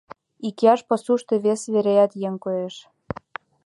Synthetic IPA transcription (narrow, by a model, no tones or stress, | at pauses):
ikeɑʃpɤ̆suʃt̪ĕβesβeɾejæt̪jeŋkojeʃ